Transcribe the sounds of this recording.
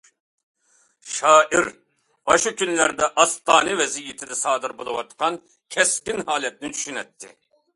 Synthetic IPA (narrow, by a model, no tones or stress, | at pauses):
ʃɑːʔiɾ | bɑʃukʰʲynlæɾd̪ɛʔɑst̪ʰɑːnɛvɛzijːit̪ʰɪd̪ɛsɑːd̪ɨɾbolˠɨwɑt̪qʰɑn | kʲʰɛskʲinhɑːlɛt̪̚nɪnt͡ʃ̪ʰy̥ʃynɛt̪ʰːɪ̰